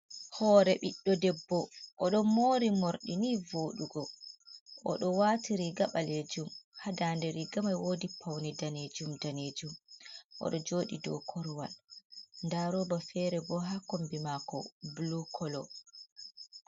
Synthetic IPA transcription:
hɔːɾɛɓiɗːɔdɛbːɔʔɔɗɔmoːɾimoɾɗinivoːɗuɡɔ | ʔɔ̰ɗɔwaːtiɾiɡaɓaled͡ʒumhadaːndɛɾiɡamajwoːdipʰawnidaned͡ʒumdaned͡ʒumʔɔ̰ɗɔd͡ʒoːɗḭdɔ̰kʰɔɾwalndaɾɔːbafɛɾɛbɔɦakombimakɔ̰blukʰɔlɔ

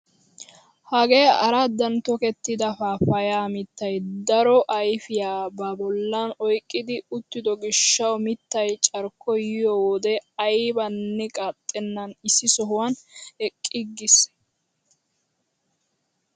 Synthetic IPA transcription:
hɐɡejɐɾad̪ɐnt̪ɔkɛt̪ːɪd̪ɐfafɐjaːmɪt̪ːɐjd̪ɐɾɔʔɐjfɪjaːbɐbɔlːɐnɔjkʼːɪd̪ɪʊt̪ːɪd̪ɔɡɪʃːɐwmɪt̪ːɐjt͡ʃʼɐɾkːɔjɪjɔwɔd̪ɛɐjbɐnːɛkʼat̪ʼːɛnːɐnɪsːɪsɔɦʊwanɛkʼːɪɡːɪs

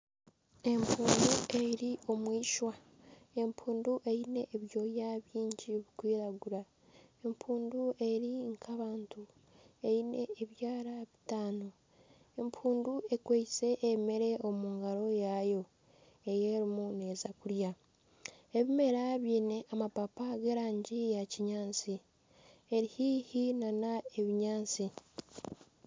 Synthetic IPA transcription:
e̞mpʰuːndueɾio̞mwiːʃwa | e̞mpʰuːnduʔe̞jine̞ʔːβjo̞jaβjiːɲɟiβikwiːɾaɡuɾa | e̞mpʰuːndue̞ɾiŋkʰaβaːntu | e̞jine̞ːβjaːɾaβitaːno̞ | empʰuːndue̞kweise̞ʔːmeɾe̞o̞muːŋɡaɾo̞jajo̞ | e̞jeːɾimune̞ːzakuɾja | e̞βime̞ɾaβiːne̞ʔamapapaɡe̞ɾaːɲɟijaciɲaːnt͡si | e̞ɾihiːhinanae̞βiɲaːnt͡si

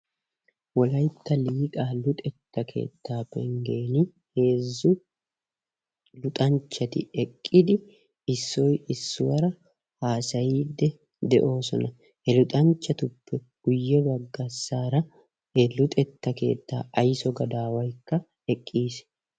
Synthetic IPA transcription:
wɔlɐjt̪ːɐliːkʼaːlʊt̪ʼɛt̪ːɐkʰe̞̰ːt̪ːaːpːɛ̰ŋɡeːnɪ | he̞ːzːʊ | lʊt̪ʼɐnt͡ʃːɐt̪ɪ̰ɛkʼːɪd̪ɪ | ɪsːɔjɪsːʊwɐɾɐ | haːsɐjiːd̪ːɛ | d̪ɛ̰ʔo̞ːsɔnɐ | hɛlʊt̪ʼɐnt͡ʃːɐt̪ʊpːɛɡ̥ʊjːɛbɐɡːɐsːaːɾɐ | hɛlʊt̪ʼɛt̪ːɐke̞̰ːt̪ːa̰ːʔɐjsɔɡɐd̪aːwɐjkːɐ | ɛkʼːiːs

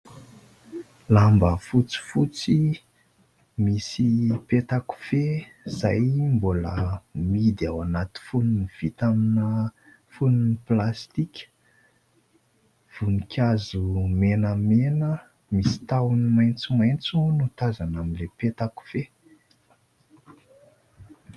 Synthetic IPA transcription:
lambəfut͡si̥fut͡si | misipet̪aku̥fe | z̥ajmbolə̰mid̪awanat̪i̥funiniv̥it̪aminə | fununiplast̪ikʲə̥ | v̥unikʰʲazumenəmenə | misi̥t̪awnimajnt͡simajnt͡sunut̪azanaminlepet̪aku̥fe

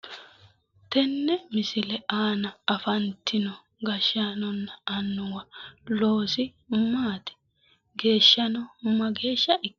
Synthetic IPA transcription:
t̪ɛnːɛmɪsɪlɛʔaːnɐɐfɐnt̪ːɪnɔ | ɡɐʃanɔnːɐɐnːʊwɐloːsɪ | maːt̪ɛ̥ | ɡe̞ːʃːɐnɔmːɐɡe̞ːʃːɐʔɪkː

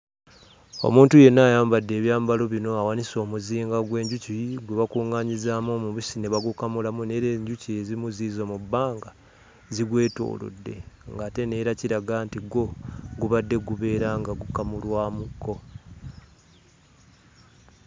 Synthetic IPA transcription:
o̞̰muːntuje̞nːajaːmbadːe̞ːβjaːmbalo̞βino̞awaniso̞ːmuziːŋɡaɡwe̞ːɲɟuciɡweβakuːŋaːɲizaːmomuβisine̞βaɡukamulamune̞ɾe̞ːɲɟuciezimuziːzomubːaːŋɡa | ziɡwe̞ːto̞̰ːlo̰dːe̞̰ŋɡaːte̞ne̞ɾaciɾaɡantiɡo̞ɡuβadːe̞ɡuβe̞ːɾaŋɡaɡukamulwaːmukʰːo̞

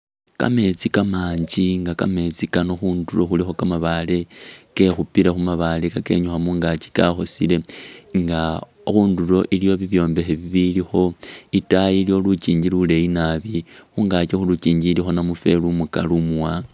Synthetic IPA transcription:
ka̰me̞t͡sikamaːɲd͡ʒiŋɡaka̰me̞t͡sikanoxundulo̞xulixo̞kamaβale̞ke̞xupilaxumaβalekake̞̰ɲuxamuːŋɡat͡ʃi̥kaxo̞sile̞ŋɡa | oxuːndulo̞ʔilijo̞βiβjo̞ːmbe̞xeβiβilixo̞itajilijo̞lut͡ʃiːɲɟilule̞inaβixuŋɡat͡ʃexulut͡ʃiːɲɟilixo̞namufe̞lumukalumuwa

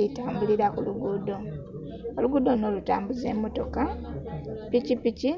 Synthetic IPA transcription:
itaːmbuliɾakuluɡudo̞ | oluɡuːd̪o̞no̞luta̰ːmbuze̞ːmo̞to̞ka | picipici

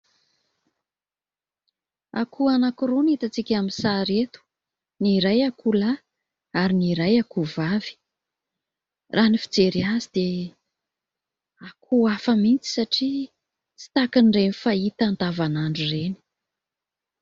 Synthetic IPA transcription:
a̰kʰuanakuɾunit̪at͡sikʲaminsaɾet̪u̥ | niɾajakʰula | aɾiniɾajakuvavi̥ | rʔanifi̥d͡zeɾiazid̪e | akʰuafəmint͡si̥saʈ͡ʂi | t͡si̥t̪akənɖ͡ʐenfait̪ant̪avanaɳɖ͡ʐureni̥

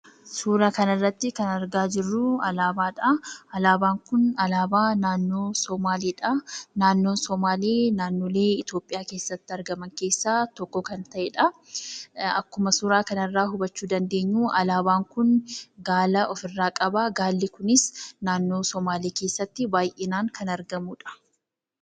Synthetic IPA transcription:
suːɾaːkɐnɪrːɐt̪ːɪkɐnɐɾɡaːd͡ʒɪrːʊɐlaːbaːᶑɐɐlaːbaːŋkʊnɐlaːbaːnaːnːoːsɔmaːleːᶑɐnaːnːo̞ːnsɔmaːleːnaːnːo̞ːleːɪt̪o̞ːpʼɪjaːke̞ːsːɐt̪ːɪɐɾɡɐmɐŋke̞ːsːaːt̪ɔkːɔkɐnt̪ɐʔeːᶑɐ | ɐkːʊmɐsuːɾaːkɐnɪrːaːhʊbɐt͡ʃːuːd̪ɐnd̪e̞ːɲːuːʔɐlaːbaːŋkʊnɡaːlɐʔɔfɪrːaːkʼɐbaːɡaːlːɪkʊnɪsnaːnːo̞ːsɔmaːleːke̞ːsːɐt̪ːɪbaːjʔenaːŋkʰɐnɐɾɡɐmuːᶑɐ̥

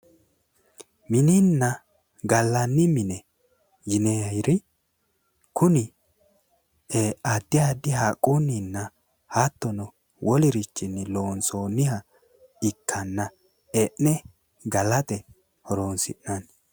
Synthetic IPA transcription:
mɪninːɐ | ɡɐlːɐnːɪmɪnɛ | jɪneɐjɾɪ | kʰʊnɪ | ead̪ːɪjad̪ɪhaːkʼːunːinːɐ | hat̪ːɔnɔ | wʔɔlɪɾɪt͡ʃːɪnːɪloːnsoːnɪhɐ | ɪkʰːɐnːɐ | eʔnɛ | ɡɐlɐt̪ɛ | hɔɾoːnsɪ̰nːɐn

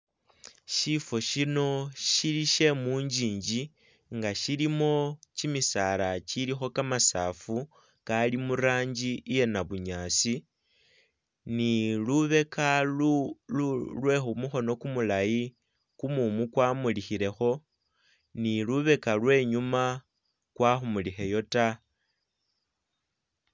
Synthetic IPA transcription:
ʃifo̞ʃino̞ʃiliʃe̞muːɲd͡ʒiːɲd͡ʒi | ŋɡaʃilimo̞t͡ʃimisalat͡ʃilixo̞kamasaːfu | kalimuɾaːɲd͡ʒije̞naβuɲaːsi | niluβe̞kalululwe̞xumuxo̞no̞kumulaji | kumumukwamulixile̞xo̞ | niluβe̞kalwe̞ːɲuma | kwaxumulixe̞jo̞ta

